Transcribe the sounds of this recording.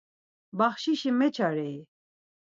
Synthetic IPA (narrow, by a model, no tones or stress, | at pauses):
baχʃiʃimɛt͡ʃʰaɾɛi